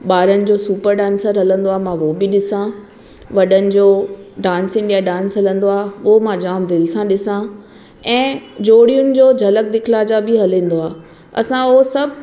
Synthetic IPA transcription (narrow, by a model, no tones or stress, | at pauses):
ɓaːɾənɪ̆d͡ʑoːsuːpəɾɖãːnsəɾɦɐlə̃nd̪oaːɦmãʋobɪɗɪsã | ʋɐɗənɪ̆d͡ʑoːɖãːnsɪ̃ŋɗijaɖãːnsɦɐlə̃nd̪oaːɦʋomãd͡ʑaːmd̪ɪlsãɗɪsã | ɛ̃ːd͡ʑoːɽijʊnɪ̆d͡ʑoːd͡ʑʱɐlək̚d̪ɪkʰlaːd͡ʑabʱɪɦɐlĩːn̆d̪oaː | ɐ̰sãʊɦosɐbʱ